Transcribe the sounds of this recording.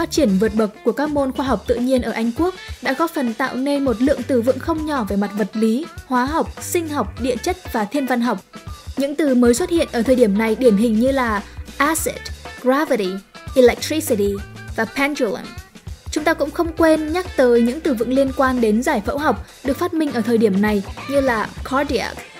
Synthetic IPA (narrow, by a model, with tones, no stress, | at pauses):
faː˦˥t̚t͡ɕi˧˩ənvɨ˨˩ət̚ɓə˨˩k͡p̚ku˧˩əkaː˦˥k̚mo˧nxwaː˧ɦa˨˩wk͡p̚t̪ɨ̰˧˨ɲi˧ənʔəː˧˩ʔa˧jŋ̟ku˦˥ək̚ɗa̰ː˧˥kɔ˨˦fə˨˩nt̪a̰ː˧˨wne˧nmo˨˩t̬̚lɨ̰˧˨əŋt̪ɨ˨˩vɨ̰˧˨ŋxə˧wŋ͡mɲɔ˧˩ve˨˩ma˨˩t̚və˨˩t̚li˨˦hwaː˨˦ɦa˨˩wk͡p̚sï˧ŋ̟ha˨˩wk͡p̚ɗḭ˧˨ət͡ɕə˦˥t̚vaː˨˩t̪ʰi˧ənva˧nɦa˨˩wk͡p̚ɲɨ̰˧˥ŋt̪ɨ˨˩məː˨˦jswə˦˥t̚hḭ˧˨ənʔəː˧˩t̪ʰəː˨˩ɗi˧˩əmna˨˩jɗi˧˩əmɦï˨˩ŋ̟ɲɨ˧laː˨˩ʔaː˧sḛ˨˩t̚ɡɹaː˧˦və˨ɾi˨˩ʔi˧lɛ˨˩k̚t̪ɾi˧˦si˧˩ti˨˩vaː˨˩pʰɛ˧nt͡ɕu˧˩lə̰˧˩nt͡ɕʊ˨˦ŋ͡mt̪aː˧kʊ̰˧˥ŋ͡mxə˧wŋ͡mkwe˧nɲa˦˥k̚t̪əː˨˦jɲɨ̰˧˥ŋt̪ɨ˨˩vɨ̰˧˨ŋli˧ənkwaː˧nɗe˨˦nzaː˧˩jfə̰˧˥wɦa˨˩wk͡p̚ɗɨ˨˩ək̚fa˦˥t̚mï˧ŋ̟ʔəː˧˩t̪ʰəː˨˩jɗi˧˩əmna˨˩jɲɨ˧laː˨˩kʰɔ˨˦ɗi˧a̰˦˥k̚